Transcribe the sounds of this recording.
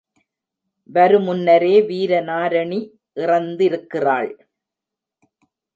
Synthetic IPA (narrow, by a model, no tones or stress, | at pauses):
ʋɐɾɯmʊnːɐɾeːʋiːɾɐnaːɾɐɳi | ʔɪrɐnd̪ɪɾɯkːɪra̰ːɭ